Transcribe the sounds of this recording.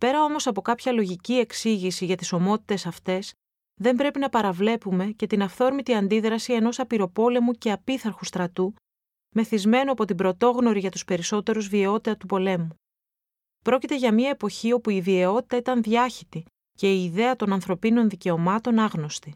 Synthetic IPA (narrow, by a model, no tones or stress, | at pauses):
pe̞ɾɐo̞mo̞sɐpo̞kɐpçɐlo̞ʝicie̞ksiʝisiʝɐt̪iso̞mo̞t̪i̥t̪e̞sɐft̪e̞s | ðe̞mbɾe̞pinɐpɐɾɐvle̞pume̞ce̞t̪inɐfθo̞ɾmit̪iɐnd̪iðɾɐsie̞no̞sɐpiɾo̞po̞le̞muce̞ɐpiθɐɾxust̪ɾɐt̪u | me̞θizme̞noɐpo̞t̪ibɾo̞t̪o̞ɣno̞ɾiʝɐt̪uspe̞ɾiso̞t̪e̞ɾuzvieo̞t̪ieɐt̪upo̞le̞mu | pɾo̞cit̪e̞ʝɐmiɐepo̞çio̞puivieo̞t̪i̥t̪ɐit̪ɐnðʝɐçit̪i | ce̞iːðe̞ɐt̪o̞nɐnθɾo̞pino̞nðice̞o̞mɐt̪o̞nɐɣno̞st̪i